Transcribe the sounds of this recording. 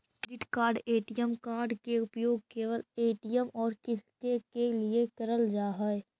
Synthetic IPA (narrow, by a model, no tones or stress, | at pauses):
kɾɪʈkaːɾɖeːʈɪjəmkaːɾɖkeʊpjoːɡ̚keːʋəleːʈɪjəmɔːɾkɪskekeliekɐɾəld͡ʒaːɦɛe